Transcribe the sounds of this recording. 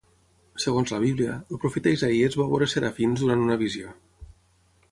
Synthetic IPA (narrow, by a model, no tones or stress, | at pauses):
səɣonzləβ̞iβliəlpɾufit̪aizaiezβaβoɾeseɾafinzðuɾant̪unəβ̞izio